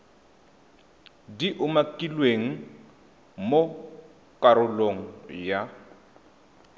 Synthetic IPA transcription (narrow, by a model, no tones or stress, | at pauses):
diʔʊmakʼilweŋ̩ | mo | kʼaɾʊloŋ̩ja